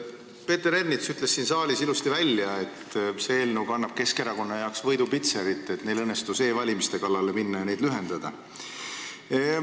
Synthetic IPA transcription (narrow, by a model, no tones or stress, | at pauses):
pe̞ːt̪eɾe̞rnit̪syt̪le̞sːiːnsɑːlʲisilust̪ivælʲjɑe̞t̪seeːlnuɡɑnːɑb̥̚ke̞ske̞ɾɑko̞nːɑjɑoksvɤ̞jd̪upit̪seɾit̪ˑːet̪ne̞jlɤnːest̪use̞ːvɑlʲimist̪e̞kɑlːɑle̞minːɑjɑne̞jd̪lyɦe̞nd̪̥ɑd̪̥ɑ